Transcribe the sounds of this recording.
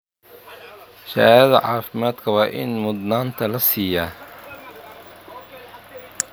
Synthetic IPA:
ʃɐɐðɐʕɑːfɪmaːd̪kʰɐwɑːʔɪ̰nmʊd̪naːnt̪ʰɐlɐsiːja

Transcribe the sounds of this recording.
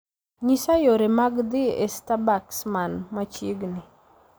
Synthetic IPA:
ɲisajoɾemaɡd̪ɪɛ̰stabaksmanmat͡ʃiɡnɪ

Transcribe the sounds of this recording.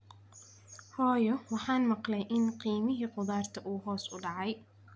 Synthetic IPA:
hɔːjɔwɑħɑːnmɑqlɛjʔɪnqiːmɪɦiːqʊðaːrt̪ʰɐʔuːɦɔːsʊɖɑʕɑj

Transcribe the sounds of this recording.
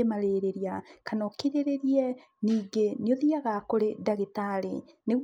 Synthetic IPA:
emaɾeːɾeɾiakanɔkeɾeɾeɾiɛ | niːɡeneoðiaɣakoɾedaɣetaɾe | ne

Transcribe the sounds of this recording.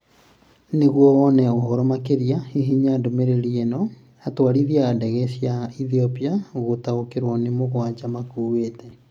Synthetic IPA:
neɣwɔwɔnɛoɦɔɾɔmakeɾiahiɦiɲadomeɾeɾiɛnɔ | atwaɾiðiaːndɛɣɛɕjaiθiɔpiaɣotaokeɾwɔnemoɣwad͡ʑamakuːweːtɛ

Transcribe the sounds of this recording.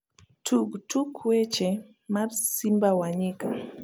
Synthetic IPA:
tʰuɡtukʰwɛt͡ʃɛ | mabsimbawaɲika

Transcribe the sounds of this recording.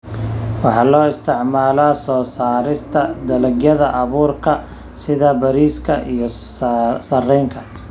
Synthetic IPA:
wɑħɑːlɔːɪst̪ʰɪʕmaːlaːsɔːsaːɾɪst̪ʰɐd̪ɐlɐɡjɐðɐʔɐβuːrkʰɐ | sɪðɐbɐɾiːskʰɐʔijɞ | sɐrɛjŋkʰɐ

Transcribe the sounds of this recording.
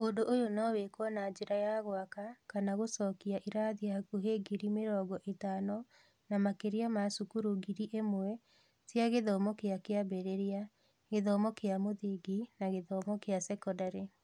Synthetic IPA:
ondoʔojonɔwekwɔnaːd͡ʒeɾajaɣwakakanaɣosɔkiaʔiɾaðiakuɦeɡiɾimeɾɔːɡɔʔetanɔ | namakeɾiamasukuɾuɡiɾiʔemwɛ | sjaɣeðɔmɔkeakeabɛɾeɾia | ɣeðɔmɔkeamoðeɡinaɣeðɔmɔkeasɛkɔdaɾe

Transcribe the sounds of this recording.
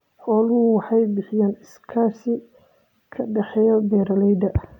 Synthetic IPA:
ħɔːlʊwɑħɑjbɪħɪjaːnɪskʰaːsɪ | kʰɐɖɛħɛjɔbɛːɾɐlɛjd̪ɐʔ

